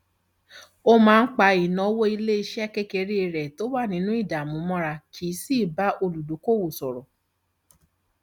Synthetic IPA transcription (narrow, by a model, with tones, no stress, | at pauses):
o˧mãː˦˧n̩˦k͡pa˧i˨nɔ̃˨˦wo˦i˧le˦i˧ʃɛ˦ke˦ke˧ɾi˦˧ɾɛ˨to˦wa˦˨nĩ˧˦nũ˦i˦˨da˨mũ˨˦mɔ̃˦˧ɾa˧kʰi˨˦si˦˨ba˦ʔo˧lu˨do˨˦ko˦˨wo˨sɔ˨ɾɔ˨